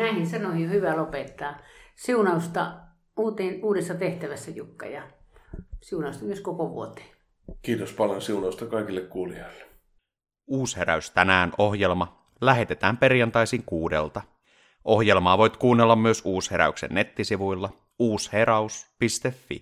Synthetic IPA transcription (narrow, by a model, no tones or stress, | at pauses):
næihinsɑnoijohyʋælopet̪ːɑːsiunɑust̪ɑ | uːt̪eːnuːdesːɑt̪eht̪æʋæsːæjukːɑ̰jɑ | siunɑˑust̪ɑmyøskokoʋuot̪e̥ː | kiːt̪ospɑljonsiunɑust̪ɑkɑˑikilːekkuːlioilːe̥ | uːsheɾæ̰yst̪ænæːnʔohje̞lmɑ | læɦe̞t̪e̞t̪æːmpe̞rjɑnt̪ɑjsiːŋkuːdḛlt̪ɑ | ʔo̞hje̞lmɑːʋo̞jt̪kuːnːelːɑmːyøsuːshe̞ɾæ̰yksḛnːe̞t̪ːisiʋujlːɑ | uːsheɾɑuspist̪efːḭ